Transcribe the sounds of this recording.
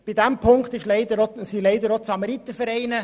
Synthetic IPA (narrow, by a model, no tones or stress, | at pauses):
b̥idæmpʰʊŋkt̪ɪʃlɛɪd̪əɾosileɪd̪əɾot͡sɑmɑɾit̪əfɛɾɛɪnə